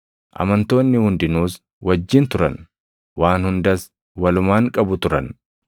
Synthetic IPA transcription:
ʔɐ̰mɐnt̪o̞ːnːɪhʊnd̪ɪnuːs | wɐd͡ʒːɪnt̪ʊɾɐ̰n | waːnhʊnd̪ɐs | wɐlʊmaːŋkʼɐbʊt̪ʊɾɐ̰n

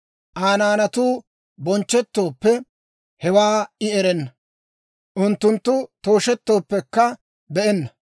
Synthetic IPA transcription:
ʔaːnaːnɐt̪uː | bɔnt͡ʃːɛt̪ːo̞ːpːɛ | hɛwaːɪɛɾɛnːɐ | ʔʊnt̪ːʊnt̪ːʊt̪o̞ːʃɛt̪ːo̞ːpːɛkːɐ | bɛɛnːɐ

